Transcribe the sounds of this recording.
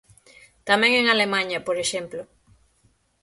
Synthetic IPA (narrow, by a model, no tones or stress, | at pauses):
t̪amẽŋeŋalemãɲɐpoɾeʃemplo